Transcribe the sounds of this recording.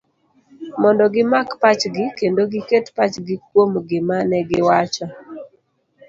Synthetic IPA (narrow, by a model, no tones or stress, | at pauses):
mɔndɔɡɪmakpat͡ʃɡɪkendoɡɪketpat͡ʃɡɪkwomɡɪmanɛɡɪwat͡ʃɔ